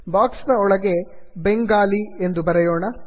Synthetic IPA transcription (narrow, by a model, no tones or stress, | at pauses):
baːksnɐɔɭɐɡe̞ | beŋɡaːliend̪ubɐɾejoːɳɐ